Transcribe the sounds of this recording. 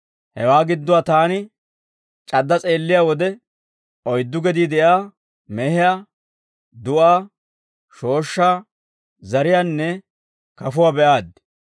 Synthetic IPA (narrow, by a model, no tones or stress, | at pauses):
hɛwaːɡɪd̪ːʊwaːt̪aːnɪ | t͡ʃʼɐd̪ːɐt͡sʼe̞ːlːɪjaːwɔd̪ɛ | ʔɔjd̪ːʊɡɛd̪iːd̪ɛjaː | mɛhɪja | d̪ʊʔaː | ʃo̞ːʃːaː | zɐɾɪjaːnːɛ | kɐfʊwaːbɛʔaːd̪